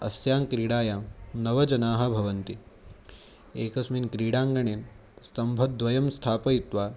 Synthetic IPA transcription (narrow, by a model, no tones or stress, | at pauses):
ɐ̰sjaːŋkɾiːɽaːjanɐʋɐd͡ʒɐnaːɦɐ̆bʱɐʋɐnt̪i | eːkɐsminkɾiːɽaːŋɡɐɳeː | st̪ɐmbʱɐd̪ʋɐjɐmst̪ʰaːpɐjit̪ʋaː